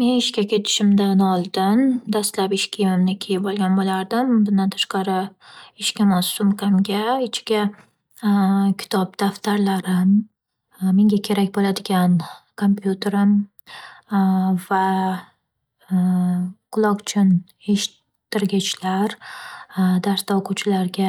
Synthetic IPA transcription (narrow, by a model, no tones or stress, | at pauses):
menɪʃkʲakʲʰe̞t̪ʰɪ̥ʃɪmd̪anɒlˠd̪ɪnd̪ast̪lapɪʃkʲʰejmɪmnɪkʲʰejɪpolˠɡʲanbolaɾd̪ɪmbʊnd̪ant̪ʰḁʃqɑɾɪɪʃkʲamasʊmkʰamɡʲaɪt͡ʃʰɪ̥ɡʲa | kʲʰɪ̥t̪ʰɒp̚d̪̥aft̪ʰaɾlaɾɪm | me̞ŋɡʲakʲʰe̞ɾakʲbolad̪ɪɡʲankʰompʰjut̪ʰe̞ɾɪm | va | qʰʊlˠɒqt͡ʃʰɪn | eʃɪ̥tt̪ː | ɪɾɡʲat͡ʃʰlaɾ | d̪aɾst̪aoqʰʊwt͡ʃʰɪlaɾɡʲa